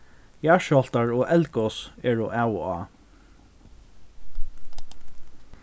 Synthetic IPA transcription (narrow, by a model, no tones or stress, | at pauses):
jaʃɔl̥t̪aɹɔːʔɛlkɔsɛːɹʊʔawaː